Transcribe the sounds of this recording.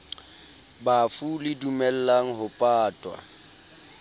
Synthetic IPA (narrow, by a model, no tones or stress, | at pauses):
bafulɪdumɛl̩laŋ̩ɦʊpʼaːtʼwa̰